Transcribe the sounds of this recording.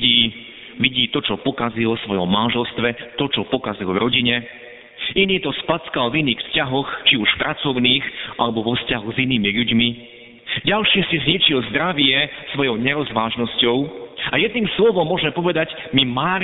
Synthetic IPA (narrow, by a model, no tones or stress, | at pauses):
iː | ʋiɟiːt̪ɔt͡ʃɔpɔkazilɔsʋɔjɔmːanʒɛlst̪ʋɛt̪ɔt͡ʃɔpɔkazilvɾɔɟiɲɛ | iniːt̪ɔspat͡skalviniːxfscaɦɔxt͡ʃiuʃfpɾʔat͡sɔʊniːxʔa̰lɛbɔʋɔfscaɦuɣziniːmiʎuɟmi | ɟalʃiːsizɲit͡ʃilzd̪ɾaʋɪɛsʋɔjɔʊɲɛɾɔzʋaːʒnɔscɔʊajɛd̪̚niːmslɔʋɔmːʊɔʒɛmpɔʋɛd̪aɟ | mimaːɾ